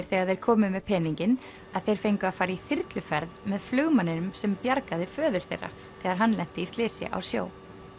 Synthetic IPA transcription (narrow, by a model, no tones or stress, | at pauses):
ɾ̥θɛːɣaɾðejɾ̥kʰɔːmɪmɛðpʰɛːniɲcɪn | aðθejɾ̥fejŋkʏaðfaːjɾaiθɪɾt̪lʏfɛɾðmɛðflʏɣmanːɪnʏmsɛmpjaɾkaðɪfœːðʏɾ̥θḛjrːa̰ | θɛːɣaɾɦanːlɛn̥t̪ɪist̪lɪːsjɪ̰ʔa̰wsjo̰ːw